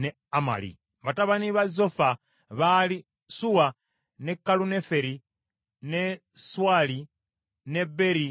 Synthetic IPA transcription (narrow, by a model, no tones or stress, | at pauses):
ne | ama̰lḭ | βataβaniβazofa | βali | suwa | nekːalunefeɾi | ne | swali | nebeɾi